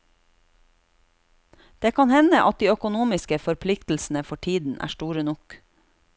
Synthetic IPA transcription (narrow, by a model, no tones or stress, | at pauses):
d̪̥eːkʰɑnhɛnəʔɑt̪̚d̪iːœkʊnuːmɪskəfɔɾpʰlɪkt̪l̩sn̩əfɔʈʰiːd̪n̩ʔæ̰ːʃʈuːɾənʊk